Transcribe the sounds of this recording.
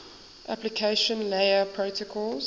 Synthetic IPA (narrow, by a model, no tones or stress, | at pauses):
ʔaplikʰeɪʃə̃nleɪəpʰɹoʊtəkʰɔlz